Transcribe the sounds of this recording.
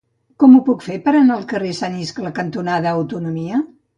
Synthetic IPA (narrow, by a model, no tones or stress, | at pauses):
kɔmupukfepəɾənaːlˠkəresaniskləkənt̪unaðəːwt̪unumiə